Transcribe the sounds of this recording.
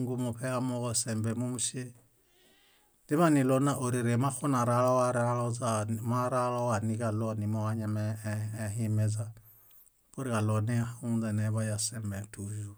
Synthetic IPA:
ŋɡu˦mɔ˨pɛ˦amɔ˦ɡɔ˦sɛ˨mbɛ˨mu˦mu˦ʃe˦ | di˦βa˦ni˨lɔ˦na˦ʔo˨ɾi˨ɾe˨ma˦xu˦na˨ɾalɔ˦wa˦ɾa˦lɔzama˦ɾa˦lɔ˦wa˨ni˦ka˨lɔ˦ni˨mɔ˦wa˦ɲa˦mɛ˨ɦi˦mɛ˦za˦ | ko˦ɾi˨ka˨lɔ˨nɛ˦a˦xu˦za˨nɛ˨βa˦ja˨sɛ˨mbɛ˨tu˨ʒu˦

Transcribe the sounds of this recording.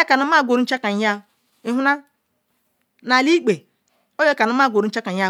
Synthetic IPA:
e˦ka˨na˦ma˦˨ɡʷo˨ɾu˦n̩˦t͡ʃa˦ka˨˦ja˦˨ | i˦ɦu˦na˦ | na˨li˦k͡pe˨ | o˦je˦ka˨n˦ma˦˨ɡʷo˨ɾu˦n̩˦t͡ʃa˦ka˨˦a˦

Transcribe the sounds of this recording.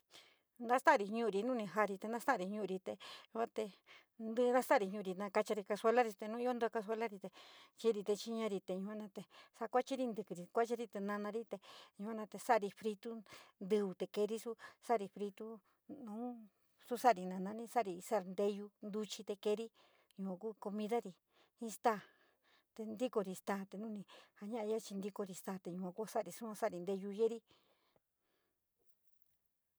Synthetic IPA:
nd̪ã˦st̪a˦˨ɾi˧ɲũ˧ɾi˧nũ˦nĩ˧ɦa˧ɾi˧t̪e˧nã˦st̪a˦˨˧ɾi˧ɲũ˧ɾi˧t̪e˧ɲũ˧ã˦t̪e˧ | nd̪ɨ˦nã˦st̪a˦˨ɾi˧ɲũ˧˨˧i˧nã˧ka˧t͡ʃa˧ɾi˧ka˧swe˧la˦ɾi˧t̪e˧nũ˦i˦o˦nd̪o˧ka˧s̬ʷe˧la˦ɾi˧t̪e˧t͡ʃi˧ɾi˧t̪e˧t͡ʃi˧ɲã˧ɾi˧t̪e˧ɲũ˧kʷã˦˧nã˧t̪e˨sa˧kʷa˦t͡ʃi˦ɾi˧nd̪ɨ˧kɨ˧˨ɾi˧kʷa˦t͡ʃi˧ɾi˧t̪e˧nã˧nã˧ɾi˦t̪e˧ɲũ˧kʷã˦nã˧t̪e˧sa˦˧ɾi˧fɾi˧t̪u˦nd̪ɨ˧u˧t̪e˧ke˧ɾi˦su˦sa˦˨ɾi˧fɾi˧t̪u˦ | nũː˦ | su˦sa˦˨ɾi˧nã˨˧nã˧˦nĩ˦sa˦ʔɾi˧sa˦˧nd̪e˧ju˧nd̪u˧t͡ʃi˧t̪e˧ke˧˦ɾi˦ | ɲũ˧kʷã˧ku˦ko˧mĩ˧ða˦ɾi˧ | hĩ˦˧st̪a˦˨ | t̪e˧nd̪i˦ko˧ɾi˧st̪aː˧t̪e˨nũ˦nĩ˧ha˧ɲã˦ʔa˧ja˦t͡ʃi˧nd̪i˧ko˧ɾi˧st̪aː˧˨t̪e˨ɲũ˧kʷã˧ku˦a˧sa˦˨ɾi˧su˦ã˧sa˦˨ɾi˧nd̪e˧ju˧je˦ɾi˦

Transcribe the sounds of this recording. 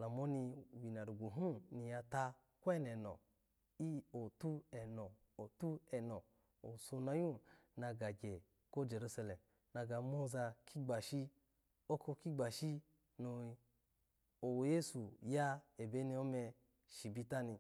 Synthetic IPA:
la˨mo˦ni˧˨wi˨na˨ɾu˨ɡu˨ɦũ˦ni˧ja˧ta˧ | kʷɛ˦nɛ˨nɔ̰˨ | i˦o˨tu˦ɛ˨nɔ˨ | o˨tu˦ɛ˨nɔ˨ | o˨so˧na˧ju˦ | na˧ɡa˨ɡe˨ | ko˦d͡ʒe˨ɾu˦sa˧le˨m | na˧ɡa˧mo˦za˧kʰi˦ɡ͡ba˨ʃi˦ | o˦ko˧ki˦ɡ͡ba˨ʃi˦ | no˧ | o˨wje˦su˨ja˦e˨be˦ni˧o˦me˧ | ʃi˨bi˧ta˦ni˧

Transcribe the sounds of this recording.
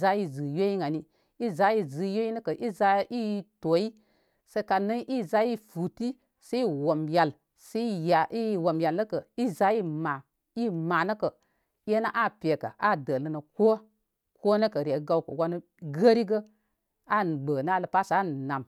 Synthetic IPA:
za˦ji˦zɨ˨jo˦ji˦ŋa˨ni˦ | i˦za˨˦i˦zɨ˨jo˦i˦nə˦kə˨ʔi˦za˧i˦to˨ji˦ | se˧˦ka˨nə˦ʔi˦za˦ji˦fu˨ti˦ | se˦i˦wo˨mja˨l | se˦ja˨i˦˨wo˨mja˨lːə˦kə˨i˦za˨˦i˦ma˨ | i˦ma˨nə˦kə˨˦ | je˦na˦ʔa˦˨pʲe˨kə̰˨ʔa˦˨də˨lə˦nə˨ko˦ | ko˦nə˦kə˨ɾe˨˦ɡa˧wkə̰˨wa˧nə˦ | ɡə˦ɾi˦ɡə˦ | a˦˨ɡ͡bə˨n˦a˦lə˨pa˦sa˦˨na˨m

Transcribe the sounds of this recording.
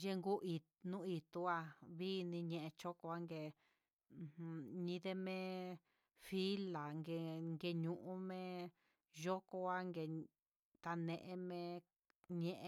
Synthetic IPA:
ʒe˧ŋɡu˦ʔi˨ | nũ˦i˧t̪u˧˦a˧βi˦˧nĩ˧ɲẽ˧ʔẽ˧t͡ʃo˦ko˧a˧˦ŋɡẽ˧˨˧ | ɲĩ˧ðe˦mẽ˦ | fi˦la˨ŋɡe˧ŋɡe˧ɲũ˨ʔũ˦mẽ˦ | ʒo˦ko˧a˦ŋɡe˧˨ | t̪a˧nẽ˧ʔẽ˧mẽ˧ | ɲẽ˦˧ʔ

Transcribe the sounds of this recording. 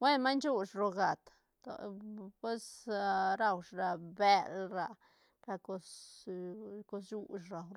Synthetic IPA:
we˦nma˦jnt͡ʃu˦ʂɾo˨ɡa˨t̪ | o̰˨pwe˦sɾa˧wʂɾa˨be˦lɾa˧ | ka˧ko˧s | ko˧s̬ju˦ʃɾa˨wɾ

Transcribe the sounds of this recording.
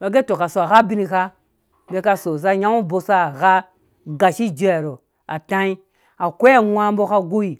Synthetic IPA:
ba˨ɡe˦to˨ka˨so˨a˨ɣa˦bi˦ni˨ka˦ | be˦ka˦so˨za˦ja˦ŋu˦bo˦sa˦a˨ɣa˦ | ɡa˨ʃi˦d͡ʒo˦a˨ɾo˨ | a˨ta˦i˦ | a˨kʷa˦wa˦m˦bo˦ka˦ɡu˦i˨

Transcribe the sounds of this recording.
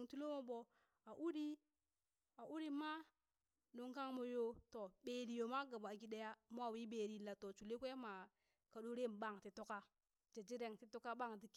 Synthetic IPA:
ŋti˦lo˦mo˦ɓo˨ | a˨ʔu˦ɾi˦ | a˨ʔu˦ɾi˦ma˦ | no˨ŋka˦ŋmo˦jo˦to˨ɓe˨ɾi˨jo˨ma˦ɡa˨ba˨ɡi˦de˦ja˦mo˦a˨wi˦ɓe˨ɾi˨la˨to˨t͡ʃu˨le˦kʷe˦ma˨ | ka˨ɗo˦ɾe˦˨mɓa˦˨ŋti˨to˦ka˦ | d͡ʒe˨d͡ʒi˦ɾe˨ŋti˦to˦ka˦ɓa˦˨ŋdi˨˦k

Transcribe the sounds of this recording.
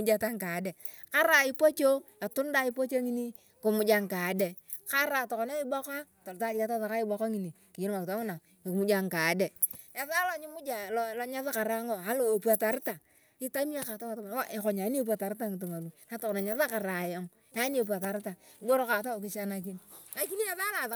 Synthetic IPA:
mu˦d͡ʒa˦ta˦ŋka˨˦de˨ | ka˦ɾa˨i˦po˦t͡ʃo˦ | a˨tu˦n˦da˦i˦po˦t͡ʃe˦ŋi˦ni˦ | ko˨mu˨˦d͡ʒa˦ŋka˨˦de˨ | ka˦ɾa˨tɔ˨kɔ˨na˦i˦bɔ˦ka˦ | ta˨ɾta˦a˦ta˦sa˨ka˦i˦bo˨ka˦ŋi˨˦ni˨ki˨i˦n˦ma˨kta˦ŋu˦na˨ | mu˦d͡ʒa˨ŋka˨de˨ | e˨θa˦lo˨ɲi˦mʊ˦d͡ʒa˨lɔ˨lɔ˦ɲa˦sa˦ka˨ɾa˦ŋo˨a˦lo˨o˨pu˦a˨ta˨ɾta˨ | i˦ta˦mi˦a˦ka˨ta˦wa˨ta˦ma˨˦o˦ʔe˨ko˨ɲa˨˦n˦e˦pu˦a˨ta˨ɾta˦ŋi˨t̬u˨ma˨lu˨˦na˨˦to˨kɔ˨na˨ɲa˦sa˦ka˨ɾa˨ja˦m | a˦n˦e˨p̬u˨a˨ta˨ɾta˨i˨bo˦ɾo˦ka˨ta˦o˨kɪ˨ʃa˦na˨k̬i˦nna˨ki˦ni˦ɛ˦ða˦la˨

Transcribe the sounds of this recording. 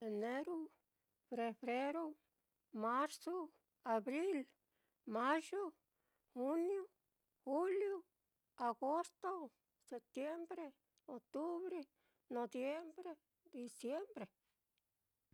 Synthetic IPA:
e˨ne˦ɾo˦ | fɾe˨βɾe˦ɾo˦ | ma˦ɾso˦ | a˨βɾi˦l | ma˦ʒo˦ | xu˦njo˦ | xu˦ljo˦ | a˨ɡo˦st̪o˦ | se˨p̚t̪je˦mbɾe˦ | o˨t̪u˦βɾe˦ | no˨bje˦mbɾe˦ | d̪i˧sje˦mbɾe˨

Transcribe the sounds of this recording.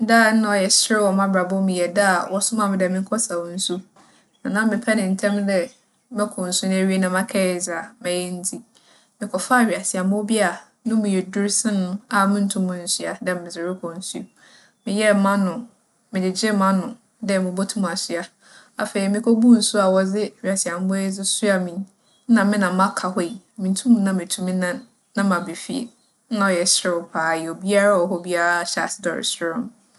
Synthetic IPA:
daː˦n̩˦nã˨ɔ˨jɛ˨sɪ˦ɪ˦wɔ˨mã˦bɾa˨bʊ˦mɪ̃˨jɛ˨da˦˨wɔ˦sʊ̃˦mã˨m̃˦dɛ˨mɪ̃˦ŋ̩˦kʰɔ˦sa˨wn̩˦su˦ | nʊ̃˨nã˦mɪ̃˨pʰɛ˦nɪ̃˨n̩˨tʰɛ̃˦mdɛ˦ | mɛ̃˦kʰʊ̃˨n̩˨sʊ˦ñ˦e˦ɥi˦e˦nã˦mã˦kʰɛ˦˨za˨mɛ̃˨jɛ˦n̩˦tʰi˦ | mɪ̃˨kʰɔ˨fa˦˨ɥi˨a˨sɪ˨a˨mʊ̃˦bi˦a˨ | nʊ̃˦mʊ̃˨jɛ˨dʊ˦ɾsɪ̃˦nʊ̃˦a˨mʊ̃˦n̩˦tʰũ˦mːʊ̃˨n̩˨si˦a˨dɛ˨m˨mɪ̃˨zɪ˨ɾɪ˦kʰɔ˨n̩˦su˦˨ | mɪ̃˨jɛ˦˨mã˦nʊ̃˨ | mɪ̃˨dɪ˨d͡ʑɪ˦mã˦nʊ̃˨ | dɛ˦˨mʊ̃˨bo˦tʰũ˦m˨a˨sɪ˦a˦ | a˨fe˨i˨mɪ̃˦kʰo˦bu˦n̩˦su˦a˨wɔ˨d͡zɪ˦i˨a˨si˨a˨m˦bɔ˦e˦d͡zɪ˦su˦a˨mĩ˨n̩˦ | nã˨mɪ̃˦nã˨m˦ã˦kʰa˨hɔ˦˨i˨ | mɪ̃˨n˦tʰũ˦mũ˦nã˦mɪ̃˨tʰũ˨mĩ˦nã˦nː | ã˦mã˨be˨fi˦˨ḛ˨˦ | nã˨ɔ˨jɛ˨ɕɾɪ˦ʊ˨˦pʰaː˨jɛ˨o˨bi˦a˦ɾa˦ɔ˨ɦɔ˦bi˦a˦ɾa˦ɕa̰˨sɪ̥˦dɔ̰˨ɾɪ̰˨sɪ˦ɾɔ̰̃˦m

